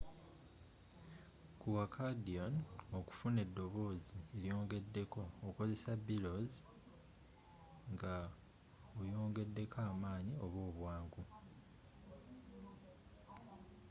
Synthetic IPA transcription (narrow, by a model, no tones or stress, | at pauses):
kuwakʰadiono̞ku̥fune̞dːo̞βo̞ːzieɾjo̞ːŋɡe̞dːe̞ko̞ːko̞ze̞sabilo̞z | ŋɡa | ojo̞ːŋɡe̞dːe̞kʰaːmaːɲio̞βo̞ːβwaːŋɡu